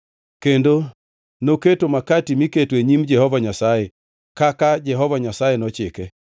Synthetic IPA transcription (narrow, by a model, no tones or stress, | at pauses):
kendo | noketomakatimiketweɲimd͡ʒɛhɔvaɲasae | kakad͡ʒɛɦɔvaɲasaenɔt͡ʃekɛ